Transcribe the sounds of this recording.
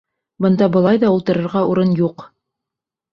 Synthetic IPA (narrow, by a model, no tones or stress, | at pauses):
bɤ̆nd̪ɑbɤ̆lˠɑjðɑulˠt̪ɤ̆ɾɤ̆ɾʁɑuɾɤnjuq